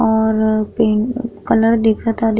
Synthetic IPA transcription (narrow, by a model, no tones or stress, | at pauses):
ɔːɾpeːkɐləɾd̪eːkʰət̪ad̪